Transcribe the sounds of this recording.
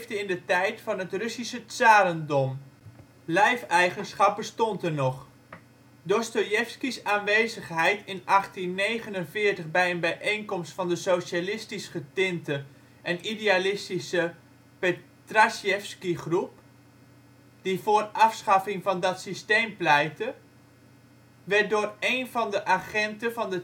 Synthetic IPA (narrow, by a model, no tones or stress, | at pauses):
vdəɪndətɛjtfɑnɦətrɵsisətsaːɾəndɔm | lɛjfɛjχənsχɑp̚bəstɔntəɹnɔχ | dɔstojɛfskisaːnʋejzəχɦɛjtɪnʔɑχtinːejχənənvɪːɹtəχbɛjənbɛjʔejŋkɔmstfɑndəsowʃalɪstisχətɪntə | ʔɛnidealɪstisə | pe | trasjɛfskiχrup | d̥ivʊːrʔɑfsχɑfɪŋvɑndɑtsistejmplɛjtə | ʋɛt̚dʊːrejnvɑndəʔaχɛntəvɑndə